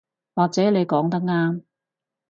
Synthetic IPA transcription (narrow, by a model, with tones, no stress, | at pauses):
waː˨˩k̚t͡sɛː˨˥ne˨˧jkɔː˨˥ŋt̪̬ɐ˥k̚ŋaː˥m